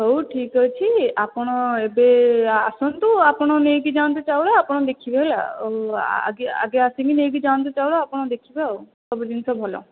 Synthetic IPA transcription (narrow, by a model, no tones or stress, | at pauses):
ɦowʈʰikɔt͡ʃʰiapɔɽ̃ɔebeasɔnt̪uapɔɽ̃ɔnejkid͡ʒãnt̪̬et͡ʃawɭɔapɔɽ̃ɔd̪ekʰibela̰ | a̰ɡea̰ɡeasiŋkinejkid͡ʒãnt̪̬et͡ʃawɭɔapɔɽ̃ɔd̪ekʰibaowsɔbɔd̪insɔbʱɔlɔ̰